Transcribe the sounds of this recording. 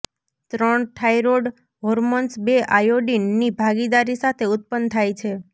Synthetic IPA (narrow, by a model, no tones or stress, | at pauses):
t̪ɾəɳʈʰaiɾoɖ | ɦoɾmənsbeʔajoɖinːibʱaɡid̪aɾisat̪ʰeʊt̪̚pənt̪ʰajt͡ʃʰe